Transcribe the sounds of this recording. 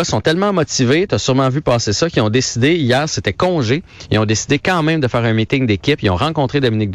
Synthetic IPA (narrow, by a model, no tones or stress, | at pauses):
sɔ̃t̪ɛlmɑ̃mɔt̪ivet̪asyʁmɑ̃vypaːsesʌkʲiɔ̃d̪esid̪eijɛːʁset̪ɛkɔ̃ʒeiɔ̃d̪esid̪ekɑ̃mɛ̃md̪əfɛːʁɛ̃mit̪ɪŋd̪ekʲɪpiɔ̃ʁɑ̃kɔ̃t̪ʁed̪ɔminɪk̚d̪